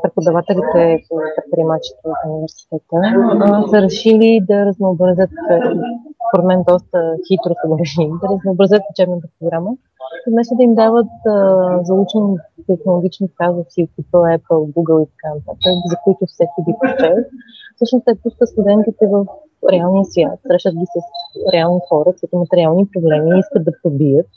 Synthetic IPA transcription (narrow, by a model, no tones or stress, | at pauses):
pɾɛpod̪ɐvat̪ɛlit̪ɛopɾɛt̪̚pɾʲiɛmat͡ʃi̥t̪əvɐfunivɛɾsi̥t̪ɛt̪əsəɾɛʃilid̪ɐɾəznoːbɾɐzʲət̪ispoɾɛd̪mɛnd̪ɔst̪əxit̪ɾʊsəd̪ɐɾɛʃiid̪ɐɾəznoːbɾɐzʲət̪̚ut͡ʃɛbnət̪ɐpɾoɡɾamə | ivmɛsɛd̪ɐimd̪avət̪ːzɐut͡ʃɛnit̪ɛxnolˠoɡʲit͡ʃnikazət̪siʊkipəlˠɛpəlˠɡuɡəlˠit̪ɐ̥kanɐt̪at̪əkzɐkojt̪ʊfsɛkid̪ipoʃt͡ʃɛvət̪fsɤʃnʊst̪ɛpusk̪ət̪st̪ud̪ɛnt̪it̪ɛvəf | ɾɛalˠnijəsvʲja̰t̪sɾɛʃət̪̚ɡʲisəsɾɛalˠnixɔɾətsɛt̪imɐt̪ɛɾialˠnipɾoblɛmiiskəd̪̚d̪ɐpobijət̪̚